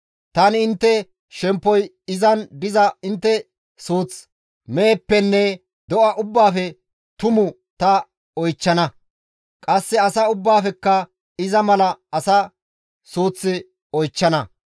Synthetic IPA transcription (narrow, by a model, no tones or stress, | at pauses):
t̪ɐnɪɪnt̪ːɛ | ʃɛmpːɔj | ɪzɐnd̪ɪzɐɪnt̪ːɛ | suːt͡s | meːpːɛnːɛ | d̪ɔʔɐʔʊbːaːfɛ | t̪ʊmʊ | t̪ɐ | ɔjt͡ʃːɐnɐ | kʼɐsːɛɐsɐʊbːaːfɛkːɐ | ɪzɐmɐlɐɐsɐ | suːt͡sːɪ | ɔjt͡ʃːɐnɐ